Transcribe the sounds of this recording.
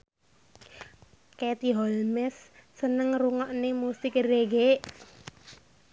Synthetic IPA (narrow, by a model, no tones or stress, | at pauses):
ket̪iɦɔlmɛsːənəŋruŋɔʔnemusɪkreɡeʔ